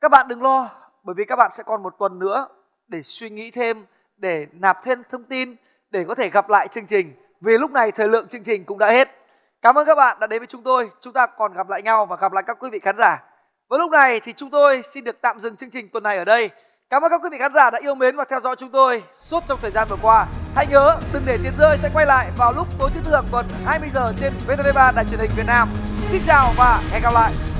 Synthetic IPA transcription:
kaː˦˥k̚ɓa̰ː˧˨nɗɨ˨˩ŋlɔ˧ | ɓəː˧˩jvi˨˩kaː˦˥k̚ɓa̰ː˧˨nsɛ̰˧˥kɔ˨˩nmo˨˩t̚t̪wə˨˩nːɨ̰˧˥ə | ɗe˧˩swi˧ŋḭ˧˥t̪ʰe˧m | ɗe˧˩naː˨˩p̚t̪ʰe˧mt̪ʰə˧wŋ͡mt̪i˧n | ɗe˧˩kɔ˨˦t̪ʰe˧˩ɣa˨˩p̚la̰ː˧˨jt͡ɕɨ˧əŋt͡ɕï˨˩ŋ̟ | vi˨˩lʊ˦˥k͡p̚na˨˩jt̪ʰəː˨˩jlɨ̰˧˨əŋt͡ɕɨ˧əŋt͡ɕï˨˩ŋ̟kʊ̰˧˥ŋ͡mɗa̰ː˧˥he˦˥t̚ | kaː˨˦mʔəː˧nkaː˦˥k̚ɓa̰ː˧˨nɗaː˧˥e˨˦nvə˨˦jt͡ɕʊ˨˦ŋ͡mt̪o˧jt͡ɕʊ˨˦ŋ͡mt̪aː˧kɔ˨˩nɣa˨˩p̚la̰ː˧˨jɲa˧wvaː˨˩ɣa˨˩p̚la̰ː˧˨jkaː˦˥kwi˨˦vḭ˧˨xaː˨˦nzaː˧˩ | vəː˨˦jlʊ˦˥k͡p̚na˨˩jt̪ʰi˨˩t͡ɕʊ˨˦ŋ͡mt̪o˧jsi˧nɗɨ˨˩ək̚t̪a̰ː˧˨mzɨ˨˩ŋt͡ɕɨ˧əŋt͡ɕï˨˩ŋ̟t̪wə˨˩nːa˨˩jʔəː˧˩ɗə˧j | kaː˨˦məː˧nkaː˦˥kwi˨˦vi˧˨xaː˨˦nzaː˧˩ɗa̰ː˧˥ʔi˧əwme˨˦nvaː˨˩t̪ʰɛ˧wzɔ̰˧˥jt͡ɕʊ˨˦ŋ͡mt̪o˧j | su˦˥t̚t͡ɕɔ˧wŋ͡mt̪ʰəː˨˩jzaː˧nvɨ˨˩kwaː˧ha̰˧˨jŋəː˨˦ɗɨ˨˩ŋɗe˧˩t̪i˨˧ənzəː˧jsɛ̰˧˥kwa˧jla̰ː˧˨jvaː˨˩wlʊ˦˥k͡p̚t̪o˨˦jt̪i˨˦t̪ə˨˩t̪wə˨˩nhaː˧jmɨ˧əjzəː˨˩t͡ɕe˧nve˧t̪e˧ve˧ɓaː˧ɗa̰ː˧˨jt͡ɕwi˨˩ənï˨˩ŋ̟vi˨˩t̚naː˧m | t̪ʰï˦˥ŋ̟̚t͡ɕaː˨˩wvaː˨˩hɛ̰˧˩ɣa˨˩p̚la̰ː˧˨jʔ

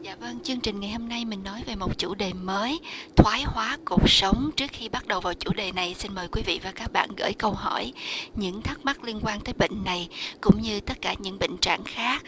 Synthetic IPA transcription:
zaː˧˨və˧ŋt͡ɕɨ˧əŋt͡ɕï̟˨˩ŋa˨˩jho˧mna˧jmï˨˩ŋ̟nɔ˨˦jve˨˩mo˨˩t̚t͡ɕu˧˩ɗe˨˩məː˨˦jt̪ʰwaː˨˦jhwaː˨˦ku˨˩ək̚sə˨˦wŋ͡mt͡ɕɨ˦˥ək̚xi˧ɓa˦˥t̚ɗə˨˩wvaː˨˩wt͡ɕṵ˧˩ɗe˨˩na˨˩jsi˧nməː˨˩jkwi˨˦vḭ˧˨vaː˨˩kaː˦˥k̚ɓa̰ː˧˨nɣə̰ː˧˥˩jkə˧wɦɔ˧˩jɲɨ̰˧˥ŋt̪ʰə˦˥k̚ma˦˥k̚li˧ənkwaː˧nt̪əː˨˦jɓḭ˧˨ŋ̟na˨˩jkʊ̰˧˥ŋ͡mɲɨ˧t̪ə˦˥t̚kaː˧˩ɲɨ̰˧˥ŋɓḭ˧˨ŋ̟t͡ɕa̰ː˧˨ŋxaː˦˥k̚

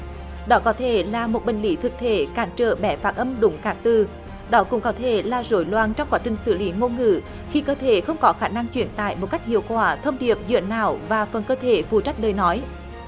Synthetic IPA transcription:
ɗɔ˨˦kɔ˨˦t̪ʰe˧˩laː˨˩mo˨˩t̚ɓï˨˩ŋ̟li˨˦t̪ʰɨ˨˩k̚t̪ʰe˧˩kaː˨˦nt͡ɕə̰ː˧˩ɓɛ˧˩˦faː˦˥t̚ʔə˧mɗʊ˨˦ŋ͡mkaː˨˦˥k̚t̪ɨ˨˩ | ɗɔ˨˦kʊ̰˧˥ŋ͡mkɔ˨˦t̪ʰe˧˩laː˨˩zo˧˩jlwaː˨˩nt͡ɕɔ˧wŋ͡mkwaː˨˦t͡ɕï˨˩ŋ̟sɨ̰˧˩li˨˦ŋo˧ŋɨ̰˧˩ | xi˧kəː˧t̪ʰe˧˩˦xə˧wŋ͡mkɔ˨˦xaː˧˩na˧ŋt͡ɕwḭ˧˩ənt̪a̰ː˧˨jmo˨˩t̚ka˦˥jk̟̚hḭ˧˨əwkwaː˧˩t̪ʰə˧wŋ͡mɗi˨˩əp̚zɨ̰˧˨ənːaː˧˩wvaː˨˩fə˨˩nkəː˧t̪ʰe˧˩fu˨˩t͡ɕa˦˥k̟̚ɗəː˨˩jnɔ˨˦j

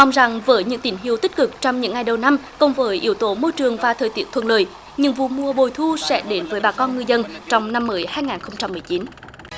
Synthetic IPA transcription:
ʔɔ˧wŋ͡mza˨˩ŋvəː˨˦jɲɨ̰˧˥ŋt̪ï˧˩ŋɦi˧˨əwt̪i˦˥k̟̚kɨ˨˩k̚t͡ɕɔ˧wŋ͡mɲɨ̰˧˥ŋːa˨˧˩jɗə˨˩wna˧mkə˨˩wŋ͡mvəː˨˦jʔi˧˦əwt̪o˨˦mo˧jt͡ɕɨ˨˩əŋvaː˨˩t̪ʰəː˨˩jt̪i˨˦˥ət̪ʰwə̰˧˨˩nləː˨˩j | ɲɨ̰˧˥ŋvṵ˧˨mu˧əɓo˨˩jt̪ʰu˧sɛ̰˧˥ɗe˨˦nvəː˨˦jɓaː˨˩kɔ˧nŋɨ˧əjzə˧nt͡ɕɔ˧wŋ͡mna˧mːəː˨˦jhaː˧jŋaː˨˩nxə˧wŋ͡mt͡ɕa˧mːɨ˨˩jt͡ɕi˨˦n

